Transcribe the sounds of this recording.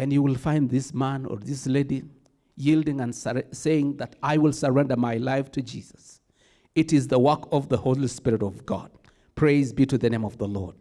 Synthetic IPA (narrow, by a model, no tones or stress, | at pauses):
ɨ̃njɨwɪlˠfãɪ̃nðɪsmæ̃nə̰˞ðɪsleɪdi | jilˠdɪ̃ŋɨ̃nseɪɪ̃ŋðɨɾaɪwɪlˠsə˞ɛ̃ndə˞maɪlaɪftʰɨd͡ʒḭzəs | ɨɾɨzðəwɜ˞kʌvðəhoʊlispɪɹɨɾʌvɡɑ̰d̚ | pʰɹ̥eɪzbiɾɨðɨnẽɪ̃mʌvðəlɔ̰ɹd̥̚